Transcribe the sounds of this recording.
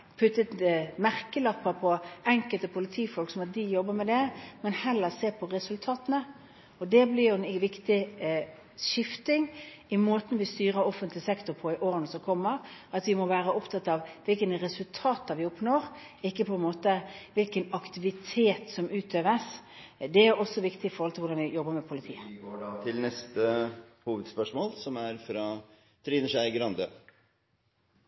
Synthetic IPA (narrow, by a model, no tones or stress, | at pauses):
pʰʉt̪ːət̪mæʁkəlɑpːəɾpʰɔɛŋkəlt̪əpʰʊlɪt̪ʰiːfɔlksɔmɑt̪̚d̪ɪjɔbːəmɛd̪ɛmɛnhɛlːəseːpʰɔɾɛsʉlt̪ʰɑːt̪nə | ɔd̪ɛblɪɾjʊɛnʋɪkt̪ɪ | ʃɪft̪ɪŋ | ɪmoːt̪n̩ʋɪst̪yːɾəɾɔfənt̪lɪsɛkt̪ʊɾpʰɔɪʔoːɾənəsɔmkʰɔmːəɾɑt̪ʋɪmɔʋæːɾəɔpt̪ʰɑt̪ːɑʋʋɪlkənɾɛsʉlt̪ʰɑːt̪d̪ɑʋɪɔpnoːɾ | ɪkːəpʰɔɛnmoːt̪əʋɪlkənɑkt̪ɪʋɪt̪ʰeːt̪sɔmʉːt̪ʰøːʋəs | d̪ɛæɾɔsːɔʋɪkt̪ɪɪfɔɾhɔlt̪ʰɪlʊdɑnʋɪjɔbːəmɛpʰʊlɪt̪ʰḭːət̪ʰɪlnɛst̪əhuːʋəd̪spœʂmoːlsɔmæɾfɾɑ | t̪ʰɾiːnəʂæɪɡɾɑnd̪ə̰ː